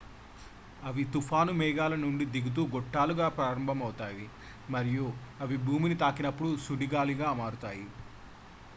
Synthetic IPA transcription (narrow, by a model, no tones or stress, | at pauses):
ɐʋit̪ufʰaːnumɛːɡaːlɐnuɳɖid̪iɡut̪̬uːɡɔʈːaːluɡaːpɾaːɾɐmbʱɐmɐwt̪aːji | mɐɾijuɐʋibʱuːminit̪aːkinɐpːuɽusuɽiɡaːliɡaːmaːɾut̪aːji